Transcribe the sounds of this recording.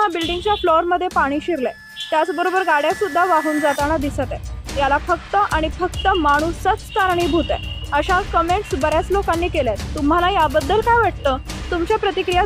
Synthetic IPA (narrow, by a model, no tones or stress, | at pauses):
ɦabilɖiŋɡt͡ɕjaflɔɾməd̪ʱjepaɽ̃iːɕiɾle | t̪jat͡sbəɾobəɾɡaɽjasud̪ʱːaʋaɦuːnd͡zat̪aɽ̃ad̪isət̪ɛjalafəkt̪əʔaɽ̃ifəkt̪əmaɽ̃usət͡st̪aɾɳiːbʱut̪ḛəɕakəmeɳʈsbəɾjat͡slokanːiːkeljat̪ːum̤alajabəd̪ːəlkajʋaʈ̚t̪ət̪umt͡ɕjapɾət̪ikɾija